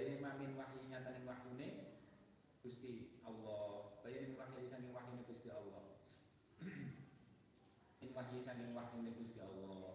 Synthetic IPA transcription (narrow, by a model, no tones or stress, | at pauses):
bajemampɪnwaɦjiɲat̪anɪŋwahjune | ɡ̥ṳst̪iʔawlːɔhb̥ajaʔɪnwaɦjusaŋkɪŋwahjuneɡ̥ṳst̪iawlɔh | ɪnwaɦjisaŋkɪŋwaħjuneɡ̥ust̪iawlːɔ